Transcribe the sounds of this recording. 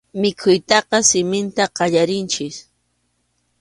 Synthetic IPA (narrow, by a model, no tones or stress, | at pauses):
mɪkʰʊjt̪ɑqɑsɪmɪnt̪aqɑʎaɾɪnt͡ʃɪs